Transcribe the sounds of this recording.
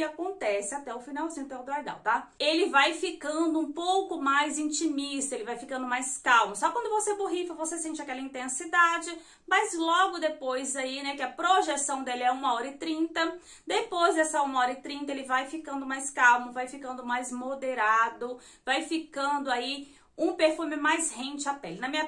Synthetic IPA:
akõnt̪ɛsɪat̪ɛʊfinawzĩɲʊp̪ɛwd̪ʊajd̪a̰wt̪aelɪvajfikɐ̃nd̪ʊũpowkʊmajzĩt͡ʃimist̪ɐelɪvajfikɐ̃nd̪ʊmajskawmʊsɔkwɐ̃nd̪ʊvoseboɦifɐvosesẽnt͡ʃɪakɛlɐĩnt̪ẽsid̪ad͡ʒɪ | mɐzlɔɡʊd̪epojzainɛkɪɐpɾoʒesɐ̃w̃d̪elɪɛũmɐɔɾɐɪt̪ɾĩnt̪ɐ | d̪epojzd̪ɛsɐũmɐɔɾɐɪt̪ɾĩnt̪ɐelɪvajfikɐ̃nd̪ʊmajskawmʊvajfikɐ̃nd̪ʊmajzmod̪eɾad̪ʊ | vajfikɐ̃nd̪ʊai | ũpeɾfũmɪmajshẽnt͡ʃɪapɛlɪnɐmĩɲɐ

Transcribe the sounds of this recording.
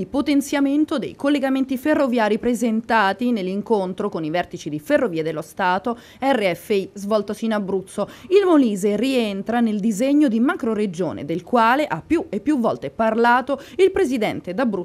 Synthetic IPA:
ipot̪ent̪sjament̪od̪ḛjkolːeɡament̪iferːovjaːɾipɾezent̪aːt̪inelːiŋkont̪ɾokonivɛrt̪it͡ʃid̪iferːoviːed̪elːost̪aːt̪o | ɛrːeɛfːeizvɔlt̪osiːnabɾut̪sːoilmoliːzerient̪ɾaneld̪izeɲːod̪imakɾoɾed͡ʒo̰ːnḛd̪elkwaːleʔapːjuepːjuvːɔ̰lt̪eparlaːt̪oilpɾezid̪ɛ̰nt̪ed̪abːɾu

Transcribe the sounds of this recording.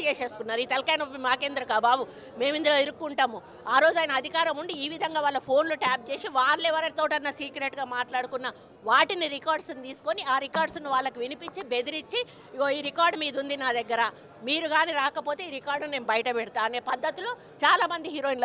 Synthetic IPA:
t͡ʃeːʃe̞ːskunːaːɾiːt̪ɐlkɐjnopːimaːkeːnd̪ɾɐkaːbaːbu | me̞ːmind̪uloːiɾukːuɳʈaːmu | aːɾo̞ːd͡ʒuaːjɐnɐːd̪ʱikaːɾɐmuɳɖiiːʋid̪ʱɐŋɡaːʋaːɭːɐpʰo̞ːnluʈaːp̚t͡ʃe̞ːsiʋaːɾlɛːʋɐɾɐt̪oːʈɐnːɐsiːkɾeʈɡaːmaːʈlaːɽukunːɐ | ʋaːʈiniɾikaːɾɖsnt̪iːsu̥ko̞niaːɾikaːɾɖsniʋaːɭːɐkuʋinipiɲt͡ʃibe̞d̪iɾit͡ʃːi | oiːɾikaːɾɖmiːd̪und̪inaːd̪ɛɡːɐɾa | miːɾuɡaːniɾaːkɐpo̞ːt̪e̞ːiːɾikaːɾɖnune̞ːmbɐjɐʈɐpɛɽit̪aːɐneːpɐd̪ːɐt̪ilo̞ː | t͡ʃaːlaːmɐnd̪iɦiːɾoːinloː

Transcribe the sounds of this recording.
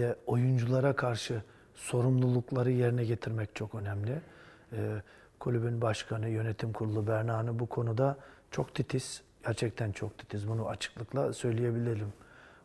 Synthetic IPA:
ɛo̞jund͡ʒulˠaɾakʰaɾʃɯ | so̞ɾumlˠulˠuklˠaɾɯje̞ɾinɛɟe̞t̪ʰiɾmɛct͡ʃʰo̞kø̞nɛmlʲɪ | ɛː | kʰulʲybynbaʃkʰanɯjø̞net̪ʰimkʰuɾulˠubæɾnaːnɯbukʰo̞nud̪at͡ʃʰo̞kt̪ʰit̪ʰiz̥ | ɟ̥æɾt͡ʃʰɛc̚t̪ʰænt͡ʃʰo̞k̚t̪ʰi̥t̪ʰizbunuat͡ʃʰɯ̥klˠɯklˠasø̞jlʲije̞bilʲilʲim

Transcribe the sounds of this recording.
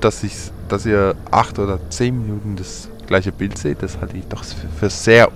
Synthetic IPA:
d̥asɪçd̥asiːɐʔa̰χtʔoːdɐt͡seːnminuːtn̩das | ɡ̥laɪçəb̥ɪltz̥eːt̚d̥ashaltəɪçd̥ɔχffyːɐz̥eːɐ

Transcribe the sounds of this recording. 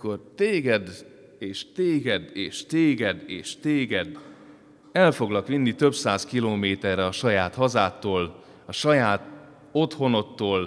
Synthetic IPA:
ko̞rt̪eːɡɛd̪ | eːʃt̪eːɡɛd̪eːʃt̪eːɡɛd̪ḛːʃt̪eːɡɛd̪ | ɛlfo̞ɡlɒkʋinːit̪ø̞bsaːskiloːmeːt̪ɛrːɛɒʃɒjaːt̪hɒzaːt̪ːoːl | ɒʃɒjaːt̪ | o̞t̪ho̞no̞t̪ːoːl

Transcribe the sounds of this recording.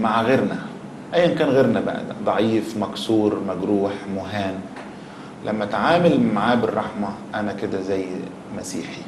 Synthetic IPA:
maʕɣeːɾnæ | ʔæjːankæːnɣeːɾnæba̰ʕ̰d̪̰d̪ˤɑʕiːfmæksuːɾmæɡɾuːħmʊɦaːn | lʔæmːæt̪ʕaːmɪlmaʕaːbɪrˤːɑħmɑʔænækɪd̪æzæjː | mæsḭːħi

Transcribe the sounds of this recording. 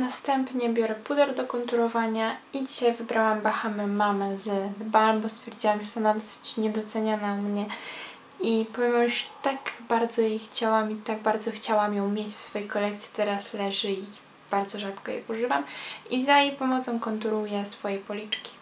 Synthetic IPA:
nast̪ɛmpɲɛbʲjɔɾɛpud̪ɛɾd̪ɔkɔnt̪uɾɔvaɲaid͡ʑiɕajvɘbɾawambaxamɛmamɛzbalmbɔst̪fʲjɛɾd͡ʑiwamʐɛt̪ɛɔnad̪ɔsɘ̥t͡ɕɲɛd̪ɔt̪sɛɲanamɲɛ | ipɔvʲɛmamjuʂt̪aɡbaɾd̪zɔjɛxt͡ɕawamit̪aɡbaɾd̪zɔxt͡ɕawamjɔ̃w̃mʲjet͡ɕfsfɔjejkɔlɛkt̪sʲi̥t̪ɛɾaslɛʐɘi | b̥aɾd̪zɔʐat̪kɔjɛ̰ʔuʐɘvamizajejpɔmɔt̪sɔ̃w̃kɔnt̪̬uɾujɛsfɔjɛpɔlʲit͡ʂkʲi̥

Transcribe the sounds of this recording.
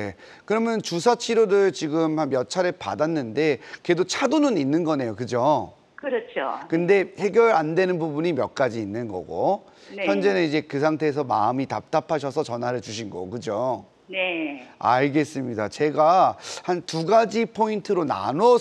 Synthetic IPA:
e̞ | kɯɾʌmjʌnt͡ɕus̬ʰat͡ɕʰiɾoɾɯɭt͡ɕiɡɯmhanmjʌt͡ɕʰaɾepa̰danːɯnde̞ke̞dot͡ɕʰadonɯninːɯnɡʌne̞jokɯd͡ʑo | kɯɾʌt͡ɕʰokɯnde̞he̞ɡjʌɾandwe̞nɯnbubuɲimjʌ̰k̚k͈ad͡ʑiːnːɯnɡʌ̰ɡo̰ | nçjʌnd͡ʑe̞nɯnid͡ʑe̞kɯs̬ʰaŋtʰe̞ːs̬ʰʌma̰ɯmitap̚t͈apʰaɕ̬ʰʌsʰʌt͡ɕʌnɦaɾɯɭt͡ɕuɕ̬ʰinɡʌ̰kɯd͡ʑo | nea̰ɭɡe̞s͈ɯmɲidat͡ɕe̞ɡahantuɡad͡ʑipʰointʰɯɾona̰nʌ

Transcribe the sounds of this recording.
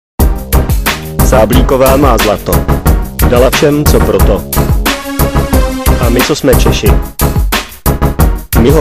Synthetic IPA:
saːbliːko̞vaːmaːzlat̪odalafʃɛmt͡sopɾot̪o | ʔamɪt͡sosmɛt͡ʃɛʃɪ | mɪɦo

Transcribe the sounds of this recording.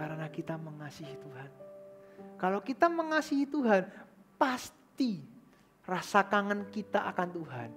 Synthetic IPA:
aɾənakit̪aməŋasiɦit̪uɦan | kalokit̪aməŋasiɦit̪uɦanpast̪i | rasakaŋankit̪aʔakant̪uɦan

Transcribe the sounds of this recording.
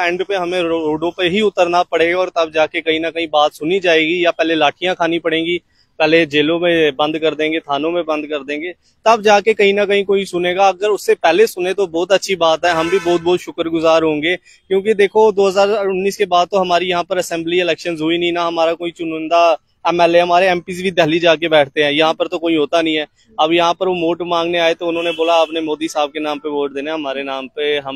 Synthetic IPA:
ɛ̃ːɳɖpeɦɐmẽɾoːɖõpeɦiʊt̪əɾnapɐɽeːɡaɔːɾt̪ɐbd͡ʒaːkekɐɦĩnɐkɐɦĩbaːt̪sʊnid͡ʒaːeːɡijapɛːɦlelaːʈʰijãkʰaːnipɐɽẽːɡi | pɛːɦled͡ʒeːlõmẽbɐ̃nd̪kɐɾd̪ẽːŋɡet̪ʰaːnõmẽbɐ̃nd̪kɐɾd̪ẽːŋɡeː | t̪ɐbd͡ʒaːkekɐɦĩnɐkɐɦĩkoːisʊneːɡaɐɡəɾʊsːepɛɦlesʊnẽt̪obɔːt̪ɐtːʃʰibaːt̪ɦɛɦɐmbʱibɔːt̪̚bɔːt̪ʃʊkəɾɡʊzaːɾɦõːŋɡeː | kjõːked̪eːkʰod̪oːɦəzaːɾʊnːiːskebaːd̪̚t̪oɦɐmaːɾijɐɦãpəɾɐsɛ̃ːmbliɪlɛːkʃənzɦoinɐɦĩnaɦɐmaːɾakoːit͡ʃʊnʊ̃nd̪a | ɛmɛːleɦɐmaːɾeɛːmpiːzbʱid̪ɛɦlid͡ʒaːkebɛːʈʰt̪eɦɛ̃ːjɐɦãpəɾt̪okoːiɦoːt̪anəɐɦĩɦɛː | ɐbjɐɦãpəɾʋomoːʈmãːŋɡneaːet̪oʊnɦõːneboːlaːpnemoːd̪isaːb̚kenaːmpeʋoːʈ̚d̪eːnɛ̃ɦɐmaːɾenaːmpeɦɐm

